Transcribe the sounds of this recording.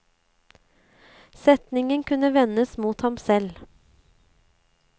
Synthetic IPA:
sɛt̪nɪŋənkʰʉnəʋɛnəsmuːt̪hɑmsɛl

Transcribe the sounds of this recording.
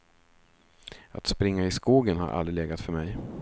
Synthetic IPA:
a̰t̪spɾɪŋːaɪskuːɡənha̰ɾʔa̰ld̪ɾɪleːɡat̪fœɾmɛj

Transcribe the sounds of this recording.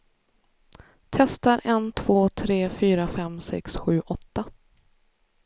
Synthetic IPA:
t̪ʰɛst̪aɾʔɛnt̪ʰv̥oːt̪ʰɾeːfyːɾafɛmsɛ̰ksɧʉ̟ːʔɔt̪ːa

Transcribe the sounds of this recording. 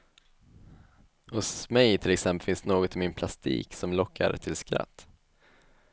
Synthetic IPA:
hʊsmɛjt̪ʰɪlɛksɛmpəlfɪnsd̪noːɡɔt̪ɪmɪnpʰlast̪ḭːksɔmlɔkʰːa̰ɾt̪ʰɪlskɾa̰t̪ː

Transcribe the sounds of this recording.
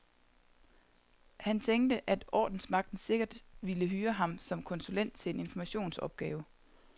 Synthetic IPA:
hænt͡sʰeŋd̥əʔæd̥ɒ̰ːd̥n̩smɑ̈ɡ̥̚d̥n̩se̝ɡ̥ɐd̥ʋiləɦyːɐɦɑ̈msɒ̽mkʰɒ̽nsulen̰d̥̚t͡sʰe̝le̝ne̝nfɒmæɕo̝̰ːnsɒ̽b̥̚ɡ̥ɛːʊ

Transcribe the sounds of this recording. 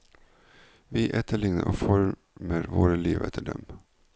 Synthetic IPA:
ʋiːʔɛt̪ʰəɭɪŋnə̰ʔoːfɔɾ | meːɾʋoːɾəliːʋɛt̪ʰəɖɛm

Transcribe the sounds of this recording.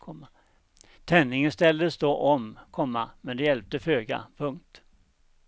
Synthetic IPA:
ɔ | t̪ʰɛnːɪŋənst̪ɛld̪əsd̪oʔɔmkʰɔmːamɛnd̪ɛjɛlp̚t̪əføːɡa̰pʰɵŋkt̪

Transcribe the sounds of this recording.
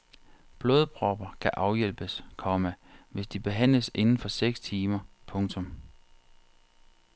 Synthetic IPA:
b̥loːðˠb̥ʁɒb̥ɐkʰæʔɑ̈ʊjel̰b̥əskʰɒmæʋe̝sd̥ib̥e̝ɦæn̰ləse̝nn̩fɒ̽seɡ̥st͡sʰiːmɐpʰɔ̽ŋt͡sʰɔ̽m

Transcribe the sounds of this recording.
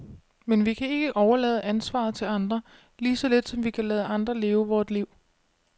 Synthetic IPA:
menʋikʰæe̝ɡ̥əʔɒʊɐlɛːðˠəænsʋɑ̰̈ːð̞̩ˠt͡sʰe̝lɑ̈nd̥ʁɐ | liːsɒ̽le̝d̥sɒ̽mʋikʰælɛːð̞ˠəɑ̈nd̥ʁɐle̝ːʊəʋɒːd̥liʊ̰

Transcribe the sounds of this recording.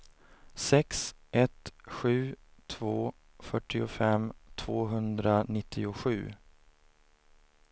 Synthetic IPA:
sɛksʔɛt̪ɧʉ̟ːt̪ʰvoː | fœʈʰːɪʊfɛmt̪ʰvoːɦɵnd̪ɾanɪt̪ʰːɪʊɧʉ̟ː

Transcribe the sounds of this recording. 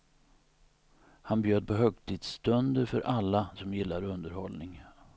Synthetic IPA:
hanbjøːd̪̚pʰɔɦœɡt̪ʰiːd̪st̪ɵnd̪əɾfœɾʔalːasɔmjɪlːaɾɵnd̪əɾhɔlnɪŋ

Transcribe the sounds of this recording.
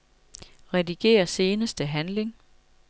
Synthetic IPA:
ʁɛdiɡ̥e̝̰ːɐse̝ːnəsd̥əɦænle̝ŋ

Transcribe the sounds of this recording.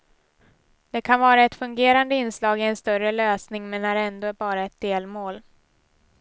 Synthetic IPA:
d̪̥ɛkʰanvɑːɾaɛt̪fɵŋɡeːɾand̪əɪnːslɑːɡɪɛnst̪œrəløːsnɪŋmɛnːæɾɛnd̪oːæɾbɑːɾaɛt̪̚d̪eːlmoːl

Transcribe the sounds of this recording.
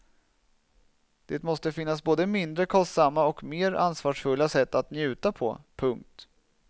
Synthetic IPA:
d̪̥eːt̪mɔst̪əfɪnːasboːd̪əmɪnd̪ɾəkʰɔst̪samːaɔkmeːɾa̰nsvɑːʂfɵlːasɛt̪ːat̪njʉ̟ːt̪apʰɔ̰pʰɵŋk̚t̪

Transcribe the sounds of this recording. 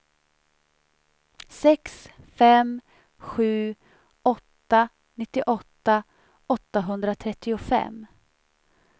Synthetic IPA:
sɛks | fɛm | ɧʉ̟ː | ɔt̪ːa | nɪt̪ːɪʔɔt̪ːa | ɔt̪ːaɦɵnd̪ɾat̪ʰɾɛt̪ːɪʊfɛ̰mː

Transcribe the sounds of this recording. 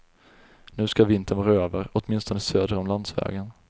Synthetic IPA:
nʉ̟ːskavɪnt̪ʰənvɑːɾaøːvəɾɔt̪mɪnst̪ɔnəsøːd̪ɾəɔmland̪svɛ̰ːɡən

